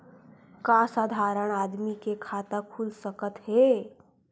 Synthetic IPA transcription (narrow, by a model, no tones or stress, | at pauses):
kasad̪ʱaɾəɽ̃ad̪mikekʰat̪akʰulsəkət̪ɦe